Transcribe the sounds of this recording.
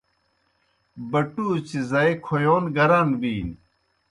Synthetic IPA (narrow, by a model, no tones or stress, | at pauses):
bɐʈut͡ɕizɐekʰojoːnɡɐɾanbiːn